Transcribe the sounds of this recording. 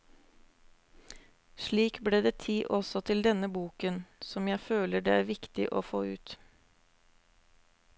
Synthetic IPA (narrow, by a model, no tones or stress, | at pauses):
ʃɭiːkbleːd̪eːt̪ʰiːʔɔsɔt̪ʰɪld̪ɛnəbuːkənsɔmjæɪføːləɖeːæːɾʋɪkt̪ɪ̰ʔo̰ːfoːʉːt̪